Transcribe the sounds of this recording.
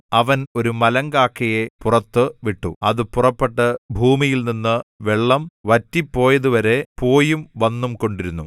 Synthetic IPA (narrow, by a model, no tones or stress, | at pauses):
ɐʋɐno̞ɾumɐlɐŋɡaːkːɐjepurɐt̪ːɨʋiʈːṵɐðɨpurɐpːeʈːɐbʱuːmijilninːɨʋeɭːɐmʋɐtːipːo̞ːjɐðuʋɐɾe̞po̞ːjumʋɐnːumko̞ɳɖiɾunːu